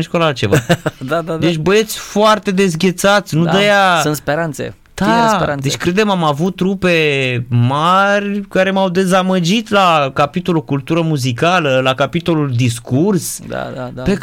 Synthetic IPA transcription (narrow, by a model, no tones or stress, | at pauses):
nʃkolalt͡ʃevad̪ad̪ad̪et͡ʃʲbəjet̪sʲfoart̪e̞d̪e̞zɡʲe̞t̪sat̪sʲnud̪əjaunt̪speɾant̪sḛ | t̪aseɾand̪e̞t͡ʃʲkɾed̪emamavut̪̚ːɾupemarʲkaɾe̞mawd̪e̞zaməd͡ʒit̪lakapit̪o̞lokult̪uɾəmuzikaləlakapit̪o̞luld̪iskursd̪a̰ape